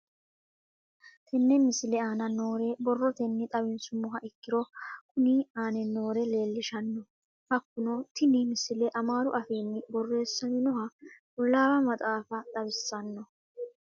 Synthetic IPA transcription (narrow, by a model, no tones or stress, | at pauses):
t̪ʰɛnːɛmɪsɪlɛaːnɐno̞ːɾebɔrːɔt̪ɛnːɪt̪ʼɐbɪnsʊmːɔɦɐʔɪkːɪɾɔkʰʊniːaːnɛno̞ːɾɛle̞ːlːɪʃɐnːɔ | hɐkːʊnɔt̪ɪnɪmɪsɪlɛʔɐmaːɾʊʔɐfiːnːɪbɔrːe̞ːsːɐnɪnɔhɐkʼʊlːaːwɐmɐt̪ʼaːfɐt̪ʼɐbɪsːɐnːɔ